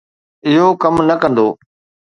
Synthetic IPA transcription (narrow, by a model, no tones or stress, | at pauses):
ɪɦokɐmnɐkɐ̃nd̪oː